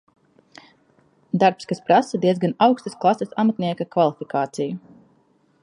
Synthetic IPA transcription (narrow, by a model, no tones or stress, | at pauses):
d̪aɾpskaspɾasad̪iɛzɡanawkst̪asklˠasɐsamat̪niɛkakvalˠifikaːt̪siju